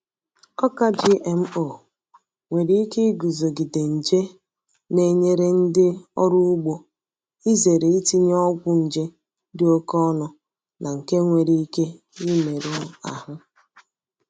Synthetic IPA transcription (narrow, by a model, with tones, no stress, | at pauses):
ɔ˦ka˦d͡ʒi˦ʔe˨m̩˦o˨ | ŋʷe˨ɾi˦i˦ke˦i˦ɡu˨zo˨ɡɪ˨de˨n̩˨d͡ʒe˦ | ne˨ɲe˦ɾe˦n̩˦dɪ˦ɔ̰˦ɾu˦ʊ˦ɡ͡bo˦ | i˦ze˨ɾe˨i˦ti˦ɲ˦ɔ˦ɡʷʊ˦n̩˨d͡ʒe˦ | dɪ˦o˦kɔ˦nʊ˨ | nʔa˨ŋ̩˨ke˦ŋʷe˨ɾi˦i˦ke˦ | i˦me˨ɾu˦a̰˨hʊ˦